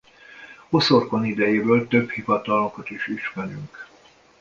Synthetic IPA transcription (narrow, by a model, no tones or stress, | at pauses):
osorkonid̪ɛjeːbøːlt̪øbhivɒt̪ɒlokɒt̪iʃiʃmɛɾyŋk